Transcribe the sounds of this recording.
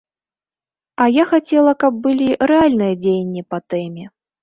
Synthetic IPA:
ɐjaxat͡sʲɛlˠɐkɐb̚ːɨlʲiɾɛalʲnɨjɐd͡zʲejnʲːipɐt̪ɛmʲɛ

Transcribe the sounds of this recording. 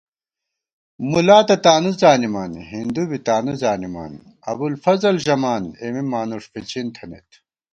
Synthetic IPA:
mulaːt̪ɐt̪aːnuzaːnimaːnɦind̪ubit̪aːnuzaːnima̰ːn | ɐbulfɐzɐlʑɐmaːnemimaːnuʂfet͡ɕʰint̪ʰɐnḛt̪ʰ

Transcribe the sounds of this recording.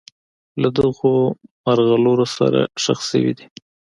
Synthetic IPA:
lad̪əɣomaɾɣaloɾosa̰ɾa̰ʃa̰xsə̰wḭd̪i

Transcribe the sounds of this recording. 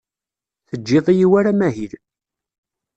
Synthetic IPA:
θəd͡ʒːeðˤijiwæɾamæɦil

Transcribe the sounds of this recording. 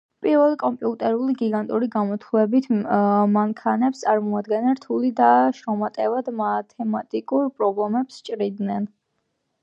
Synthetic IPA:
pʼiɾvɛlˠikʼɔmpʼiut̪ʼɛɾuliɡiɡant̪ʼuɾiɡamɔt̪ʰlɛbit̪ʰmaŋkʰanɛpst̪sʼaɾmɔad̪ɡɛnɛnɾt̪ʰulid̪aʃɾɔmat̪ʼɛvad̪mat̪ʰɛmat̪ʼikʼuɾpʼɾɔblɛmɛpst͡ʃʼɾid̪nɛn

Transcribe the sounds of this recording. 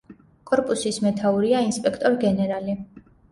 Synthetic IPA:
kʼɔɾpʼusismɛt̪ʰauɾiainspʼɛkʰt̪ʼɔɾɡɛnɛɾali

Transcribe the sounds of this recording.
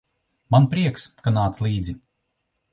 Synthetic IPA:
manpɾiɛkskanaːt̪slˠiːd̪zi

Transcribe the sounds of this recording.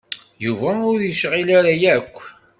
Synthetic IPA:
juvæʊɾɾjəʃʁilaɾajækʷː

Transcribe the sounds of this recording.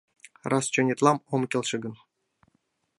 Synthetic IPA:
rɑst͡ɕonʲet̪lˠɑmomkʲelʲˠʃɘ̆ɡɤ̆n

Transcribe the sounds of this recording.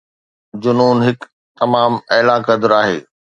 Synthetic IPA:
d͡ʑʊnuːnɦɪk | t̪ɐmaːmɐlaːkɐd̪ʊɾaːɦḛː

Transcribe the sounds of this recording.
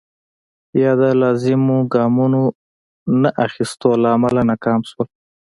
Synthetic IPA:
jɑd̪alɑzɪmoɡɑmuno | naʔaxist̪olaːmalanakɑmʃwəl

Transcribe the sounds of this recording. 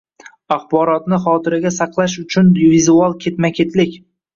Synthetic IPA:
aχbɒɾɒt̪nɪχɒːt̪ʰɪɾɪɡʲasɑqlˠaʃ̬ʊt͡ʃʰʊnvizualˠkʲʰe̞t̪makʲʰe̞t̪ʰlɪkʲ

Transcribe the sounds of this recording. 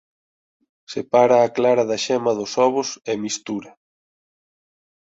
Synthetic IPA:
sepaɾaːklaɾɐðɐʃɛmɐðʊsɔβʊsɛmist̪uɾɐ

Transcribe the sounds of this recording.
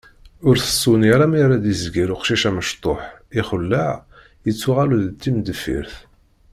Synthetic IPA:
ʊɾθə̥sːunjɾæmiɾæd̪izɡiɾʊqʃiʃæməʃt̪ˤoħiχəlːaʕ | jət͡sːuʁaluðt̪ːimd̪əfḭɾθ

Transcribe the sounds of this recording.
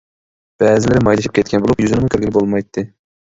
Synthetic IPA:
b̥ɛzɪlɪɾɪmɑjlˠɨʃi̥p̚kʲɛt̪̚kʲʰɛnbolˠupjyzɪnɪmʊkʲʰyɾɡʲilɪbolˠmɑjt̪ʰːɨ

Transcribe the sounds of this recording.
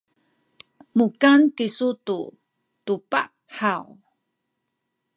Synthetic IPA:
mukankisutu | tupa̰ʔ | ħaw

